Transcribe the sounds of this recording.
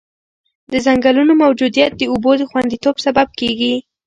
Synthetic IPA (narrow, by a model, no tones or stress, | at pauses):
d̪əzaŋɡalunomawd͡ʒud̪ijat̪̚d̪əubod̪əxwand̪it̪obsabab̚keɡi